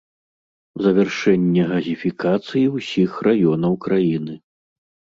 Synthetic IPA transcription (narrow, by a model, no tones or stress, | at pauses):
zɐvʲɛrʂɛnʲːɛɣɐzʲifʲikat̪sɨjiwsʲixrajɔnɐwkɾajinɨ